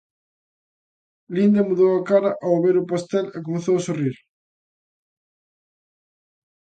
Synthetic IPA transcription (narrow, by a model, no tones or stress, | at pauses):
lind̪emuðowakaɾɐʔaoβeɾʊpast̪ɛlekomeθowasoriɾ